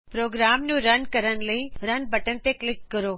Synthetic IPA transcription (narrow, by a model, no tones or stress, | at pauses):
pɾoːɡɾaːmnũɾənkəɾənləiɾənbʱəʈənt̪eklɪkːəɾoː